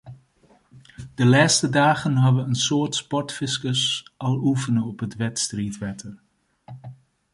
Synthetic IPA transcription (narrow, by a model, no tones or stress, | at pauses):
d̥əlaːstədaːχənɦɑdəʋəənsʊːɹtspɔɹtfɪskəsɑlˠufənəɔpɦətʋɛtstriːtʋɛtʰər